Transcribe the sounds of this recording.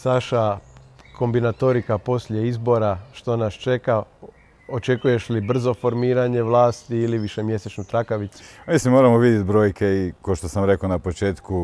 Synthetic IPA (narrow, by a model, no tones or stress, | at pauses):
saʃa | ko̞mbinat̪o̞ɾikapo̞sʎʲe̞izbo̞ɾaʃt̪o̞nast͡ʃe̞ka | o̞t͡ʃe̞kuje̞ʃlibr̩zo̞fo̞ɾmiːɾaɲe̞ʋlˠaːst̪iːliʋiʃe̞mje̞set͡ʃnut̪ɾakaʋit̪su̥mislimːoːɾamoʋid̪jet̪bɾo̞ːjkʰe̞ikaoʃt̪osamɾe̞konapot͡ʃeːt̪ku